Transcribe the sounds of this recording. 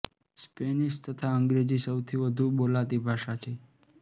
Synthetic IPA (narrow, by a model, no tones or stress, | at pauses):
speniʃt̪ət̪ʰaəŋɡɾed͡ʒisəwt̪ʰiʋəd̪ʱuɓolat̪ibʱaʃat͡ʃʰe